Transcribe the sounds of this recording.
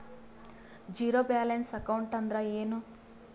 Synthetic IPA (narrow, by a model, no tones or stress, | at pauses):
d͡ʒiːɾoːbaːlensɐkɐwɳʈɐnd̪ɾaːeːnu